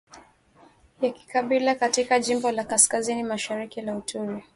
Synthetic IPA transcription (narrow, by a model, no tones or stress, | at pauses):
jaki̥kaɓilakatikaʄimbɔlakaskazinimaʃaɾikilautʰuɾi